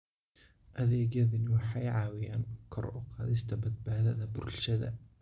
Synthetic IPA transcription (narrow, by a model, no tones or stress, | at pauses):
ʔɐðɛːɣjɐðɪnɪwɑħɑjʕɑːwɪjaːnkʰɔ̰ɾʔɔqɑːðɪst̪ʰɐbɐd̪̚baːðɐðɐbʊɾlʃɐðɐ̰